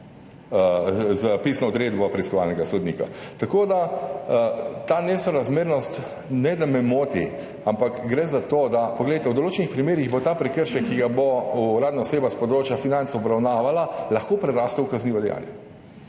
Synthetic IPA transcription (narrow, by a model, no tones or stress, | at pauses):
zəpisnɔɔd̪ɾeːd̪bɔpɾɛiskɔʋa̰lnɛɡasod̪nḭka̰t̪akoːd̪a | t̪aːnɛsɔɾazmeːɾnɔst̪ | nɛd̪amɛmoːt̪ḭ | ampakɡɾɛzat̪oːd̪apɔɡlejt̪ɛwd̪ɔloːt͡ʃɛnixpɾimeːɾiɣbot̪apɾɛkəɾʃɛkːiɡabouɾaːd̪naɔseːbaspɔd̪ɾoːt͡ʃjafinant̪sɔbɾawnaːʋalalɐxkoːpɾɛɾaːst̪ɛwkazniʋɔd̪ɛja̰ːljɛ̰